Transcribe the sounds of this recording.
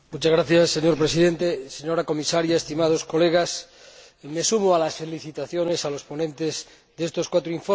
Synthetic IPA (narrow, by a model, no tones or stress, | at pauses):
mut͡ʃazɣɾaθjasːe̞ɲo̞ɾpɾesiðe̞nt̪eseɲo̞ɾako̞misaɾjaest̪imað̞o̞sko̞le̞ɣ̞as | me̞sumoalasfe̞liθit̪aθjo̞ne̞salo̞spo̞nẽ̞nt̪e̞z | ðeest̪o̞skwat̪ɾoiɱfo